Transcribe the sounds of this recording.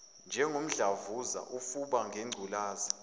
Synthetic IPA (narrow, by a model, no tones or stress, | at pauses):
nd͡ʒʱɛŋom̩ɮavuza̰ʔufuɓaŋʱeŋ͡ǀʱulaːzi